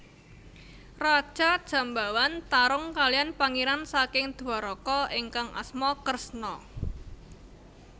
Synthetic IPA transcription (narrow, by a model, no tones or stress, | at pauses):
rad̥ʒ̥a̤d̥ʒ̥a̤mbawant̪aɾʊŋkalijanpaŋiɾansakɪŋd̪̥uaɾɔkɔɪŋkaŋʔa̰smɔkərsnɔ